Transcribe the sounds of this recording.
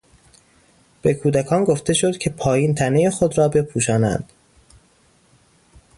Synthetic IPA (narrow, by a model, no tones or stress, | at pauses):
b̥e̞kʰuːd̪ækʰɒːnɡoft̪e̞ʃo̞d̪̥cʲʰe̞pʰɒːjiːnt̪ʰæne̞jexod̪ɾɒːbe̞pʰuːʃ̬ɒːnæ̰nd̪̥